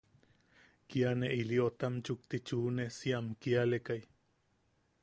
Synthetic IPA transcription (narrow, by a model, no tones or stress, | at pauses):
kianeʔiliot̪amt͡ʃuk̚t̪it͡ʃuːnesiamkialekaj